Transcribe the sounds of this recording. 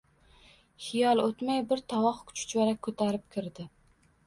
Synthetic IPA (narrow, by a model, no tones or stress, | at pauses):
χɪjɒlˠot̪majbɪɾt̪ʰɒwɒχkʰʊ̥t͡ʃʰʊ̥t͡ʃʰaɾakʰɵt̪ʰaɾɪp̚kʲʰɪɾd̪ɪ